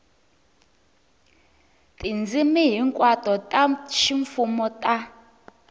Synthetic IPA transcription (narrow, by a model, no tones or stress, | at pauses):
tʼind͡zimiɦiŋkʼwatʼɔtʼaʃiɱfumɔtʼa